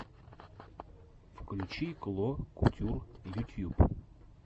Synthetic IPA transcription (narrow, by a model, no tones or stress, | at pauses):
fklʲʉt͡ɕiklˠokʊ̰tʲurjut̪ʲjub